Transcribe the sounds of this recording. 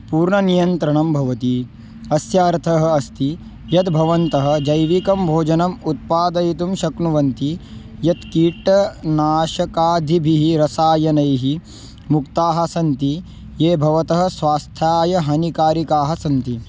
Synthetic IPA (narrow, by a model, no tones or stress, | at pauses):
puːɾɳɐnijɐnt̪ɾɐɳɐmbʱɐʋɐt̪i | ɐsjaːɾt̪ʰɐɦɐ̆ɐst̪i | jɐt̪bʱɐʋɐnt̪ɐɦɐ̆d͡ʒɐjʋikɐmbʱoːd͡ʒɐnɐmut̪̚paːd̪ɐjit̪̬umʃɐknuʋɐnt̪i | jɐt̪kiːʈɐnaːʃɐkaːd̪ʱibʱiɦiɾɐsaːjɐnɐjɦi | mukt̪aːɦɐsɐnt̪i | jeːbʱɐʋɐt̪ɐɦɐ̆sʋaːst̪ʰjaːjɐɦɐnikaːɾikaːɦɐsɐnt̪i